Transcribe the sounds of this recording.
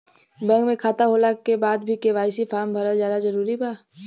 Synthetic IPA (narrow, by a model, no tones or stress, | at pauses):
bɛ̃ːŋkmẽkʰaːt̪aɦoːlakebaːd̪bʱikeʋaːjsifʰaːɾmbʱɐɾəlzjaːd̪azɐɾuːɾibaː